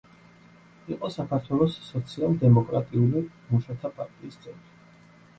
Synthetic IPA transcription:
iqʼɔsakʰaɾt̪ʰwɛlˠɔsːɔt̪sʰialˠd̪ɛmɔkʼɾat̪ʼiuli | muʃat̪ʰapʼa̰ɾt̪ʼiːst̪sʼɛnt̪ʼi

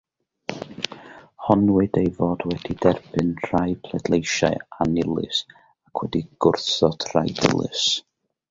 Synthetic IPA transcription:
hɔnwɨdejvoːdwɛdidɛrbɨnr̥ajpʰlˠɛdlˠejʃaɨanɪlˠɨ̰s | akʰwɛdiɡ̥ʊrθɔd̥rajdɪ̰lˠɨ̰s

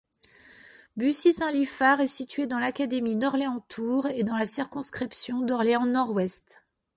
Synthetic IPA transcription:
bysisɛ̃lifaʁɛsit̪ɥed̪ɑ̃lakad̪eminɔʁleɑ̃t̪ʰuʁed̪ɑ̃lasiʁkɔ̃skχipsjɔ̃d̪ɔʁlɛɑ̃nɔʁwɛst̪

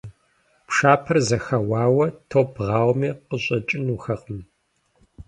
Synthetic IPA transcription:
pʂaːpʰɐrzɐxɐwɑːwɐtʰoːbʁɑːwmiːqəɕʼɐt͡ʃʼɪnuxɐqʼəm

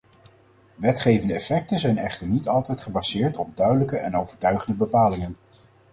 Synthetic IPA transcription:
ʋɛtχejvəndəɛfɛk̚tənzɛjnɛχtəɹnitɑlˠtɛjtχəbɑzɪːɹtɔb̚dœɥdələkəʔɛ̰nowvəɹtœɥχəndəbəpaːlɪŋən

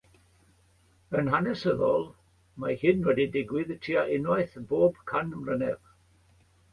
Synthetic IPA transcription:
ənɦanɛsəðɔlˠ | mahɪnwɛdidɪɡwɪðətʰiːaʔɪnɔɨθboːbkʰanmrənɛv

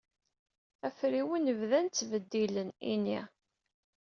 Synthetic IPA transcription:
æfɾiwinəvðænt͡sːvəd̪ːilənḭni

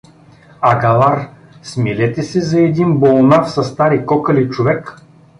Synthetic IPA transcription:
ɐɡalˠaɾ | smilɛt̪ɛsɛzɐɛd̪inbolˠnafsɐst̪aɾikɔkɐlit͡ʃovɛk

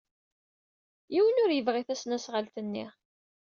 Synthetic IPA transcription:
jiwənʊɾjəvʁiθæsnæsʁəlt̪ənːḭ

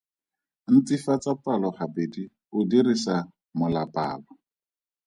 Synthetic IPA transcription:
n̩t͡sifat͡sapʼalɔχabedi | ʊdirisa | mʊlapʼaːlɔ

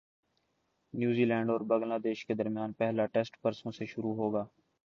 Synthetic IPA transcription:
njuːziːlɛ̃ːɳɖɔːɾbə̃ŋɡlaːd̪eːʃked̪əɾmɪjaːnpɛɦlaːʈeːsʈpəɾsõːseʃʊɾuːɦoːɡaː

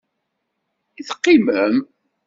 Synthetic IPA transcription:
iθə̥qːiməm

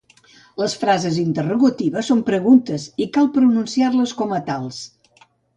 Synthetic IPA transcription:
ləsfɾazəzint̪əruɣut̪iβəsːompɾəɣunt̪əzikalˠpɾununsiarləskɔmət̪alˠs

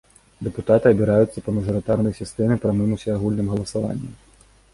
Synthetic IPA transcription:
d̪ɛput̪at̪ɨɐbʲiɾajut̪sːɐpɐmɐʐɨɾɨt̪arnɐjsʲist̪ɛmɨpɾɐmɨmusʲɛaɣulʲnɨmɣɐlˠɐsava̰nʲːɛ̰

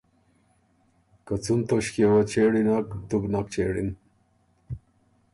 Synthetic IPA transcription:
kat͡sunt̪oɕkiewat͡ɕeːɽinakt̪ubnak̚t͡ɕeːɽḭn

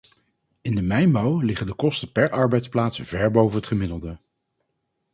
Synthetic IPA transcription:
ɪndəmɛjmɑwlɪχəndəkɔstəpɛɹɑɹbɛjtsplaːtsv̥ɛɹbowvənɦətχəmɪdəlˠdə

